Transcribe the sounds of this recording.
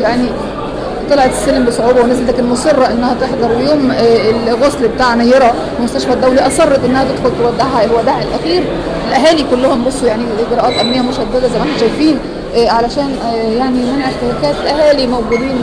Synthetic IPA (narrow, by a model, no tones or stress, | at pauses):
jaʕni | t̪ˤɑlɑʕet̪e̥sːelmbesˤoʕuːbæwenæzeld̪ækænmosˤerˤːɑʔenːæhæt̪eħd̪ɑɾˤwjoːmelɣoslbet̪aːʕnæjɑɾˤɑ | wemost̪æʃfæd̪ːæwliʔɑsˤɑrˤːɑt̪ʔenːæhæt̪ed̪xolt̪ewæd̪aʕæelwæd̪aːʕelʔæxiːɾ | elʔæɦæːlikolːohʊmbosˤːojaʕnilʔeɡɾˤɑːʔɑːt̪ʔæmnejːæmoʃæd̪ːæd̪æzæjmæʔæħnæʃæjfiːn | ʕalæʃæːnjaʕnimænʕeħt̪eɾækæːt̪lʔæɦæːlimæwɡuːd̪iːn